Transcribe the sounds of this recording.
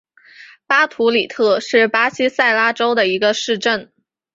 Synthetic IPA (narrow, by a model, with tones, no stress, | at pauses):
pa˥t̪ʰu˧˥li˨˩t̪ʰɤ˥˧ʂɻ̩˥˩pa˥ɕi˥sa˥˩ɪla˥ʈ͡ʂo˥ʊd̪ə˨i˧˥ɡə˧ʂɻ̩˥˧ʈ͡ʂə˥˩n